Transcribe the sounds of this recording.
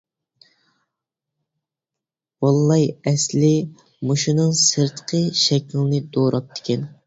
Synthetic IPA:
wɑlˠːɑjɛslɪ | moʃunɨŋsəɾt̪qʰəʃɛkʲilɪnɪd̪oɾʔɑp̚d̪ʰɪ̥kʲʰɛn

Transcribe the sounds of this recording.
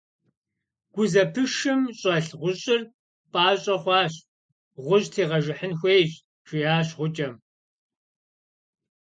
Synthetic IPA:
ɡ̥ʷʊzɐpʰɨʃɨmɕʼɐɬʁʷʊɕʼɪr | pʼaːɕʼɐχʷɑːɕ | ʁʷʊɕtʰeːʁɐʒɨħənxʷeːjt͡ʃʼ | ʈ͡ʂʰɪjaːɕʁʷʊt͡ʃʼɐm

